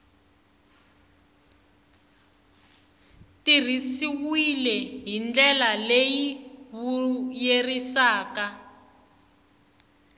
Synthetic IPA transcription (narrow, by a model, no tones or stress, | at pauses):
tir̤isiwilɛɦind͡ɮɛlalejiβujerisaːka